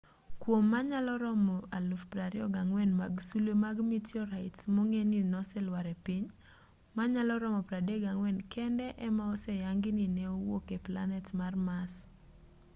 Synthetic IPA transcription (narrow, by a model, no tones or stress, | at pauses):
kwomːaɲalɔɾɔmɔalufpɾaɾiɔɡaŋwɛnma̰ɡsulemaɡmitjɔɾaɪtsmoŋeninɔsɛlwaɾɛpiɲ | maɲalɔɾɔmɔpɾadeɡaŋwɛnkʰɛndɛʔɛmaɔsɛjaŋɡɪnɪneowokepla̰nɛtmarmas